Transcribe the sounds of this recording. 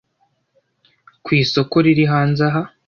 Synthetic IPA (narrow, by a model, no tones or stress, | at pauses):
kwiːso̞koɾiɾiɦaːnzaɦa